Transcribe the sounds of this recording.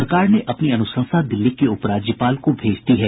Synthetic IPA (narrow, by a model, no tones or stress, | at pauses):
ɾəkaːɾneʔɐpniɐnʊsə̃nsad̪ɪlːikeʊpɾaːd͡ʒjəpaːlkobʱeːd͡ʒt̪iɦɛː